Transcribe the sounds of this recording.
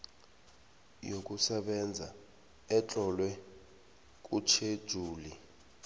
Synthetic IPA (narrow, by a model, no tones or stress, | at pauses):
jok̬ʼusɛɓɛnd͡zʱa | ɛt͡ɬʼɔlwɛ | k̬ʼut͡ʃʰed̥ʒ̥ʱuːli